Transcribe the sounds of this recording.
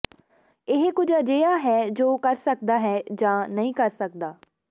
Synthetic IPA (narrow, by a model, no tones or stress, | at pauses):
ɪɦkʊd͡ʒəd͡ʒeːaːɦɛːd͡ʒoːkəɾsək̚d̪aːɦɛːd͡ʒãːnəɦĩːkəɾsək̚d̪aː